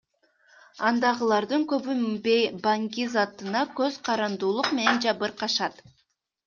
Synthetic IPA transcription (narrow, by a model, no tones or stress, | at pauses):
ɑnd̪ɑʁɯlˠɑɾd̪ɯŋkøβymbebaŋɡʲizɑt̪ɯnɑkøz̥qʰɑɾɑnd̪uːlˠuqme̞ne̞nd͡ʒɑβɯɾqʰɑʃɑt̪